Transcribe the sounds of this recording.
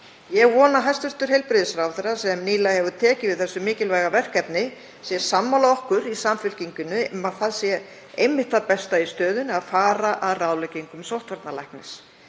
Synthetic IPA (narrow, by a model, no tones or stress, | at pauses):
jɛɣvɔːnaɦajst̪ʏst̪ʏɾ̥ɦejlpɾɪðɪsɾawθɛrːḁsɛmniːlahɛvʏt̪ʰɛːcɪvɪðθɛsːʏmɪːcɪlvajɣavɛr̥kɛpnɪ | sjɛsamːawlaɔhkʏɾisaːmfʏl̥ciŋkʏnːʏɛmaðθaðsjɛ | ejmɪht̪apɛst̪aist̪œːðʏnaðfaːɾaʔaðraːwlɛciŋkʏmsowht̪vaɾt̪nala̰jknɪs